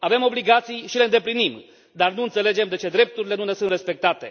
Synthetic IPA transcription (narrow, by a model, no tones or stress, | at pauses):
ave̞mo̞bliɡat̪sijʃile̞ɨnd̪eplinim | d̪arnuɨnt̪se̞le̞d͡ʒe̞md̪e̞t͡ʃe̞d̪ɾe̞p̚t̪uɾile̞nune̞suɨnre̞spe̞k̚t̪at̪e̞